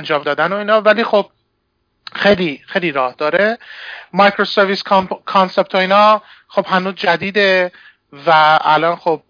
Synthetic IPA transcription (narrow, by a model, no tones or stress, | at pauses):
nd͡ʒɒːmd̪ɒːd̪æno̞iːnɒːvæliːxob̚ | xejlixejliːɾɒːhd̪ɒːɾemɒjkʰɾoseɾvisʰkʰɒnse̞p̚t̪ʰoiːnɒː | xo̞b̥hænuːzd͡ʒæd̪iːd̪e | væælɒnxob̚